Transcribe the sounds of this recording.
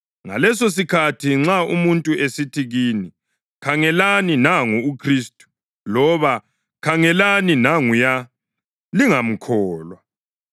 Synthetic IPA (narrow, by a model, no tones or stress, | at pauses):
ŋa̰lɛsos̬ikʰatʰiŋ͡ǁaumuntʼuesitʰiɣiːni | kʰaŋɛlaninaŋuukʰristʼu̥ | lɔβa | kʰaŋɛlaninaŋuja | liŋam̩kʰɔːlwa